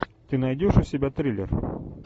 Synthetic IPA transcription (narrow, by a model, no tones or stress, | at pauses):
t̪ɘnɐjd̪ʲoʃusʲibʲæt̪ɾʲilʲeɾ